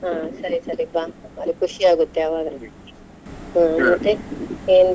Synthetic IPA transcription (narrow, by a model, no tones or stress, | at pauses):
ɦaːsɐɾisɐɾibaːɐlikuʂiaːɡut̪ːeɐʋaːɡ̪ɐ | ɦãmɐt̪ːeeːnd̪